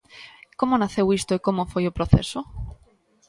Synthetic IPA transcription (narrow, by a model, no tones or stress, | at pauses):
komonaθewist̪oekomofojopɾoθḛso